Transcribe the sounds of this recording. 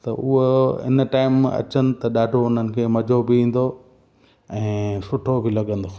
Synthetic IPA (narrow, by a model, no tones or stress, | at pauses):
t̪ɐʔʊɦoɪ̰nə̆ʈaːɪmɐ̰t͡ɕənɪ̆t̪ɐɗaːɖʱoʊn̤ənɪ̆kʰeːmɐd͡ʑʱobɪĩːn̆d̪o | ɛ̃ːsʊʈʰobʱɪlɐɠə̃n̆d̪oː